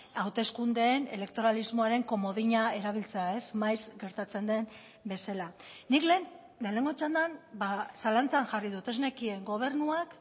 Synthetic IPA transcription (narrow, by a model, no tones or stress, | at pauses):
awt̪e̞skund̪e̞ːne̞̰le̞k̚t̪o̞ɾalizmo̞aɾe̞ŋko̞mo̞ðiɲae̞ɾaβ̞ilt͡se̞ae̞zmajzɡe̞ɾt̪at͡se̞nd̪e̞n | be̞selanikle̞n | d̪ele̞ŋɡo̞t͡ʃand̪anbasalant͡saŋʝariðut̪e̞zne̞kie̞ŋɡo̞β̞e̞ɾnuak